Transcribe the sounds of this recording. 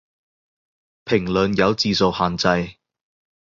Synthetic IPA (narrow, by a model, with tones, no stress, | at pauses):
pʰɪ˨˩ŋlɵ˨njɐ˨˧wt͡siː˨˧so˨whaː˨nt͡sɐ˧j